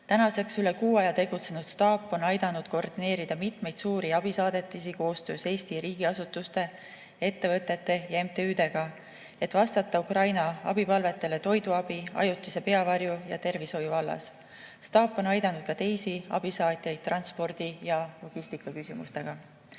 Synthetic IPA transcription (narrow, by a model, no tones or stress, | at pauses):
t̪ænɑse̞ksyle̞kuːɑjɑt̪e̞ɡut̪se̞nud̪̥st̪ɑːpːˑo̞nɑjd̪̥ɑnud̪̥ko̞rd̪̥ine̞ːɾid̪̥ɑmit̪me̞jd̪suːɾiɑb̥isɑːd̪̥e̞t̪ːˑisiko̞ːst̪ø̞ːse̞ːst̪iɾiːɡ̥iɑsut̪ːˑust̪e̞ | e̞t̪ːe̞vɤt̪ːˑe̞t̪ːe̞jɑe̞mt̪eyːd̪e̞ɡ̥ɑ | e̞t̪ːˑvɑst̪ɑt̪ˑːɑukrɑjnɑɑ̰bipɑlve̞t̪ːˑe̞le̞t̪o̞jd̪̥uɑb̥iɑ̰jut̪ːˑise̞pe̞ɑvɑrjujɑ̰t̪e̞rvisho̞juvɑlːɑ̰s | st̪ɑːpːˑo̞nɑjd̪ɑnud̪̥̚kɑt̪e̞jsiɑ̰b̥isɑːt̪ʲˑjɑjd̪̚t̪ːˑrɑnspo̞rd̪̥ijɑlo̞ɡ̥ist̪ikːˑɑkysʲimṵst̪e̞ɡ̥ɑ